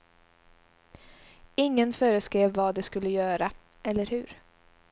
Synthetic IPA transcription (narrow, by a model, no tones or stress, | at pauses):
ɪŋːənfœːɾəskɾeːvːad̪ɛskɵlːəjœːɾa | ʔɛlːəɾhɵɾ